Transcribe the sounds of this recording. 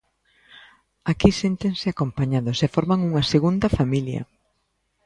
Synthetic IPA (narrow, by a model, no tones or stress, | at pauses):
akisent̪eŋsɪakompaɲaðʊsɛfɔɾmaŋuŋɐseɣund̪ɐfamiljɐ̰